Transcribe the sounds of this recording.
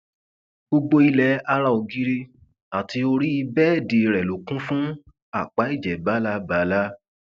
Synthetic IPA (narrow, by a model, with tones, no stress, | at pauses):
bo˧ɡ͡bo˧i˧lɛ˨˧˦a˧ɾa˦˧o˨˧ɡi˧˦ɾe˧ | a˨ti˧o˧ɾi˦i˧bɛ˦˨de˨ɾɛ˨lo˨kũ˦fũ˦ | a˦˨k͡pa˨˦i˦˨d͡ʒɛ˨ba˨˦la˧˦ba˨˦la˦